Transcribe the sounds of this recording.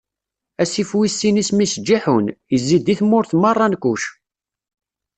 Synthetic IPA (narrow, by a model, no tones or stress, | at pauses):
æsifwisːinismisəd͡ʒːiħunjəzːid̪iθmʊɾθmɑrˤːɑnkʷːuʃ